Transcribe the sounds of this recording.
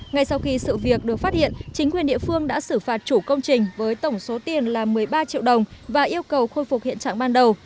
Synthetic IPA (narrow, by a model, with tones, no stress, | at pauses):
ŋa˧jsa˧wxi˧sɨ̰˧˨vi˨˩ək̚ɗɨ˨˩ək̚faː˦˥t̚hḭ˧˨ənt͡ɕï˨˦ŋ̟kwi˨˩nɗḭ˧˨əfɨ˧əŋɗa̰ː˧˥sɨ˧˩faː˨˩t̚t͡ɕu˧˩kə˧wŋ͡mt͡ɕï˨˩ŋ̟vəː˨˦jt̪ə˧˩wŋ͡mso˨˦t̪i˨˩ənlaː˨˩mɨ˨˩əjɓaː˧t͡ɕḭ˧˨wɗə˨˩wŋ͡mvaː˨˩ʔi˧əwkə˨˩wxo˧jfu˨˩hḭ˧˨nt͡ɕa̰ː˧˨ŋɓaː˧nɗə˨˩w